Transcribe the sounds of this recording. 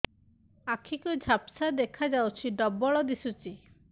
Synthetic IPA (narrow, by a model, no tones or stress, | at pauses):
akʰikud͡ʒʱapsad̪ekʰad͡ʒawt͡ʃʰiɖɔbɔɭɔd̪isut͡ʃi